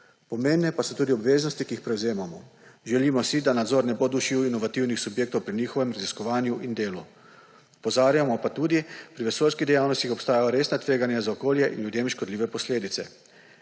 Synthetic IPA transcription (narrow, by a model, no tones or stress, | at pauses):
pɔmeːnnɛpasɔt̪uːd̪iɔbʋeːznɔst̪ikiixpɾɛwzeːmamɔʒɛliːmɔsid̪anad̪zoːɾnɛbod̪uʃiwinɔʋat̪iwnixsubjeːk̚t̪owpɾinixɔʋɛmɾaziskɔʋaːnjuʔind̪eːlu | upɔzaːɾjamɔpat̪uːd̪ipɾiʋɛsoːlskiɣd̪ɛjawnɔst̪ixɔpst̪aːjajɔɾeːsnat̪ʋeːɡanjazaɔkoːljɛʔḭnud̪jeːmʃkɔd̪liːʋɛpɔsleːd̪it̪sɛ̰